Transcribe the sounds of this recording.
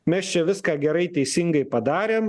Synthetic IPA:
mʲɛst͡ʃʲɛʋʲɪskɑːɡʲɛɾɐɪt̪ʲɛɪsʲɪŋɡɐɪpɐd̪ɑːɾʲeːm

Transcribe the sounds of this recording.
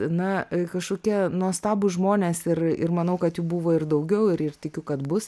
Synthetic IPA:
nɐkɐʃkoːkʲiɛnuɔst̪ɑːbʊʒmoːnʲeːsɪrɪ̰rmɐnɐʊkɐt̪juːbuːʋoːɪrd̪ɐʊɡʲɛʊɪɾɪrt̪ʲɪkʲʊkɐt̪bʊs

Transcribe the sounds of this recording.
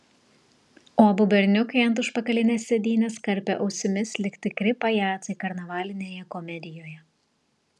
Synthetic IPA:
oːɐbʊbʲɛɾʲnʲʊkɐɪɐnˑt̪ʊʃpɐkɐlʲɪnʲeːsʲːɛd̪ʲiːnʲeːskɐɾʲpʲɛ̰ʔɒʊsʲɪmʲɪslʲɪkʲt̪ʲɪkɾʲɪpɐjæːt̪ɐɪkɐɾnɐʋɑːlʲɪnʲeːjɛkɔmʲɛd̪ʲɪjoːjɛ

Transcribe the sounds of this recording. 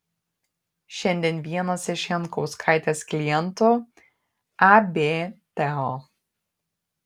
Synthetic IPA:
ʃʲɛnʲd̪ʲɛnʋʲiɛnɐsɪʃɛnˑkɔʊskʰaˑɪt̪ʲeːsklʲɪjɛnˑt̪ʊ | abʲeːt̪ʲɛɔ

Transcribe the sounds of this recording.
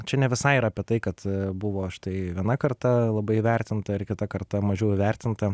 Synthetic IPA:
t͡ʃʲɛnʲɛʋʲɪsɐɪiɾɐːpʲiɛt̪ɐɪkɐt̪bʊʋoːʃɪ̥t̪ɐɪʋʲiɛnɐkɐrt̪ɐlˠɐbɐɪiʋʲɛɾʲt̪ʲɪnt̪ɐɪrkʲɪt̪ɐkɐɾt̪ɐmɐʒʲɛʊɪʋʲɛrʲt̪ʲɪnt̪ɐ

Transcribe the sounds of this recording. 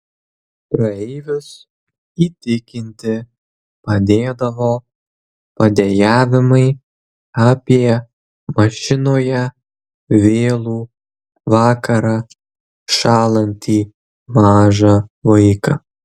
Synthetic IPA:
pɾɐɛɪʋʲʊs | iːt̪ʲɪkʲɪnʲt̪ʲɪ | pɐd̪ʲeːd̪ɐʋoː | pɐd̪ʲejæːʋʲɪmɐɪ | aːpʲiɛ | mɐʃʲɪnoːjɛ | ʋʲeːlˠuː | ʋɑːkɐɾɑː | ʃɑːlˠɐnʲt̪ʲiː | mɑːʒɑʋɐɪkɐ

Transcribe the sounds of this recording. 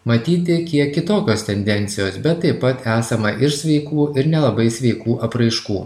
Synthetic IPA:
mɐt̪ʲiːt̪ʲɪkʲiɛkːʲɪt̪oːkʲoːst̪ʲɛnʲd̪ʲɛnʲt̪sʲɪjoːsbʲɛt̪ːɐɪpːɐt̪æːsɐmɐʔɪʃsʲʋʲɛɪkuːɪɾnʲɛlˠɐbɐɪsʲʋʲɛɪkuːʔɐpɾɐɪʃkuː

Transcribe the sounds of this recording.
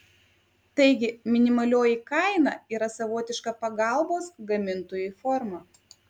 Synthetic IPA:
t̪ɐɪɡʲɪmʲɪnʲɪmɐlʲoːjikɐɪnɑːiːɾɐsɐʋoːt̪ʲɪʃkɐpɐɡɑˑlˠboːsɡɐmʲɪnt̪oːjuːfɔɾmɐ

